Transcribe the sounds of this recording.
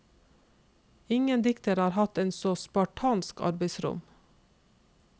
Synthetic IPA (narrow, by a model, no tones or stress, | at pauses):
ɪŋənd̪ɪkt̪əɾɑːɾhɑt̪eːnsoːspɑʈʰɑːnskɑ̰ɾbeɪsɾʊ̰m